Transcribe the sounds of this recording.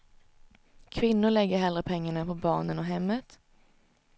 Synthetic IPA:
kʰvɪnːʊɭɛɡːəɾɦɛld̪ɾəpʰɛŋːaɳapʰɔbɑ̰ːɳənɔɦɛmːət̪

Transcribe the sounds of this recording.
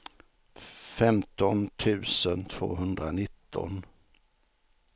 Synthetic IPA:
fɛmt̪ɔnt̪ʰʉ̟ːsənt̪ʰv̥o̰ːɦɵnd̪ɾanɪt̪ʰːɔ̰n

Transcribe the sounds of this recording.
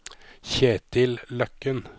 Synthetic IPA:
çeːt̪ʰɪllœkən

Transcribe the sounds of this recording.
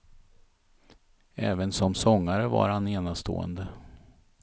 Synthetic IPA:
ɛːvənsɔmsɔŋːaɾəva̰ɾhaneːnast̪ʰo̰ːə̰nd̪ə

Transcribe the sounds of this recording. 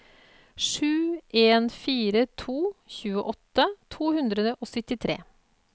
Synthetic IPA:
ʂʉːʔeːnfiːɾət̪ʰuːçʉːəʔɔt̪ːət̪ʰuːhʉnd̪ɾəd̪əʔɔsʏt̪ɪt̪ʰɾḛː

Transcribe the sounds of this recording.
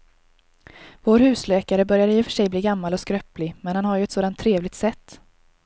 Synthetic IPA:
voːɾhʉ̟ːsløːkaɾəbœɾjad̪əjɪfœ̥ʂɛjbliːɡamːalɔskɾœplɪmɛnhanhaɾjɵɛt̪soːd̪ant̪ʰːɾeːvlɪɡ̚t̪sɛt̪ː

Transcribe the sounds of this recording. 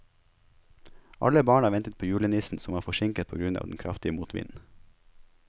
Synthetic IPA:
ʔɑ̰ləbɑːɳɑːɾʋɛnt̪ət̪̚pʰoːjʉːɭənisn̩sɔmʋɑːfɔʃɪŋkət̪̚pʰoːɡɾʉnɑ̰ːʋd̪n̩kʰɾɑ̰ft̪ɪəmuːt̪ʰʋɪ̰nn̩

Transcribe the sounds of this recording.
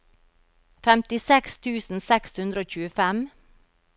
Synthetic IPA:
fɛmt̪ɪsɛkst̪ʰʉːsn̩sɛkshʉnd̪ɾəoːc͡çʉːəfɛm

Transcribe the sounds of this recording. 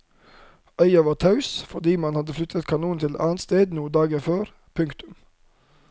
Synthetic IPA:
œʏɑʋɑːt̪ʰɑʉsfɔɖiːmɑnhɑd̪əflʏt̪ʰət̪kʰɑnuːnt̪ʰɪlʔɑ̰ːnt̪st̪eːd̪nuːd̪ɑːɡəføːɾ | pʰʉŋkt̪ʉm

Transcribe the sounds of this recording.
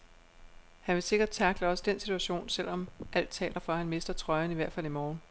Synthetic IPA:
hænʋe̝se̝ɡ̥ɐd̥̚t͡sʰɑ̈ɡ̥ləɒ̽səd̥ensit͡sʰuæɕo̝̰ːnsel̰ɒ̽mʔæl̰d̥̚t͡sʰɛ̰ːlɐfɒ̽hænme̝sd̥ɐt͡sʰʁɒ̽ɪɐniʋæɐ̰d̥fæl̰imɒːn

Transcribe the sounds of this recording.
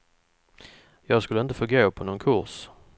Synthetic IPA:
jɑːɡskɵlːəɪnt̪əfoːɾɡoːpʰɔnɔnkʰʊɾʂ

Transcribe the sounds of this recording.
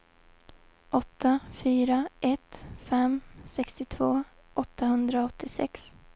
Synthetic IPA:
ʔɔt̪ʰːafyːɾaʔɛt̪fɛmsɛkst̪ɪt̪ʰvoː | ʔɔt̪ʰːaɦɵnd̪ɾaɔt̪ʰːɪsɛ̰ks

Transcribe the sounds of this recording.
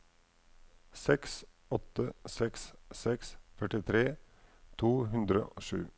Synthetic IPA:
sɛks | ɔt̪əsɛkssɛksfœʈɪt̪ʰɾeː | t̪ʰuːhʉnd̪ɾə̰ʔoːʃʉ̰ː

